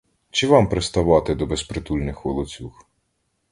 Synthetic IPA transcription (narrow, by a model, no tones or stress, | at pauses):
t͡ʃɪʋɑmpɾest̪ɐʋɑt̪ɪd̪ɔbespɾet̪ulʲnɪxʋɔlˠɔt͡sʲux